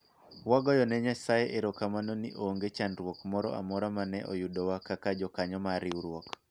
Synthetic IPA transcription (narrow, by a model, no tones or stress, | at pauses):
waɡɔjɔnɛɲasajeʔeɾɔkamanonḭʔoŋɡet͡ʃanɾwokmɔɾɔ̰ʔa̰mɔɾamanɛʔo̰judɔwakakad͡ʒɔkaɲɔmaɾiuɾwɔk